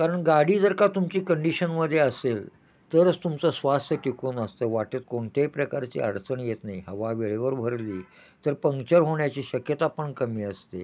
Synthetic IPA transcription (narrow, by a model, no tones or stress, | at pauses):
kaɾəɳɡaɽiːd͡zəɾkat̪umt͡ɕiːkəɳɖiɕənməd̪ʱːjeəsel | t̪əɾəd͡zt̪umt͡səsʋast̪ʰəʈikunəst̪əʋaʈət̪̚koɳt̪epɾəkaɾt͡ɕḭːa̰ɽt͡səɳjet̪naiɦəʋaʋeɭeʋəɾbʱəɾliː | t̪əɾpəŋkt͡ɕəɾɦoɳjat͡ɕiːɕəkjət̪apəɳkəmiːəst̪e